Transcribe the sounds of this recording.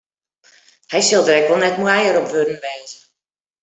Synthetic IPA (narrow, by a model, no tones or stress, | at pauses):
hɛjsɪlˠdərɛkʋɔlˠnɛtmuɛjəɾɔpʋødən̩ʋɛːzə